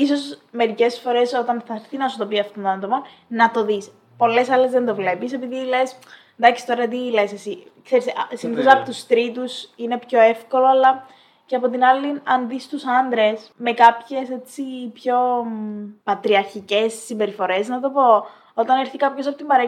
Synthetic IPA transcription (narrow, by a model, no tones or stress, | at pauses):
iso̞sme̞ɾice̞sfo̞ɾe̞so̞t̪ɐnθɐɾθinɐsut̪o̞piɐft̪ont̪onɐnt̪o̞pon | nɐt̪o̞ðis | po̞le̞sɐlezðe̞nd̪o̞vle̞pise̞piðile̞s | nd̪ɐksi̥t̪o̞ɾɐðet̪̬ile̞sesi | kse̞ɾissiniθozɐɐpot̪ust̪ɾit̪usine̞pço̞e̞fko̞lo̞ɐlɐ | ceɐpo̞t̪̬inɐliɐnðist̪usɐnd̪ɾe̞sme̞kɐpçe̞se̞t͡sipço̞ | pɐt̪ɾiɐɾçice̞sːimbe̞ɾifo̞ɾe̞znɐt̪o̞po̞ | o̞t̪ɐneɾθikɐpço̞sɐpot̪imbɐɾe